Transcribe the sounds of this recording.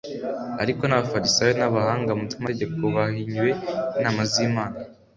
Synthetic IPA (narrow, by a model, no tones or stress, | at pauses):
a̰ɾiko̞naβafaɾisajonaβahaːŋɡamutumateɟe̞ko̞βahiɲwe̞inaːmazimaːna